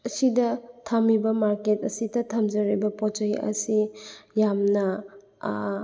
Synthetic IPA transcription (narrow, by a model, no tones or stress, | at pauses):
ɐsidɐtʰamibɐmaɾketɐsidɐtʰamd͡ʒɐɾibɐpot͡ʃɐjɐ̰sijamnɐ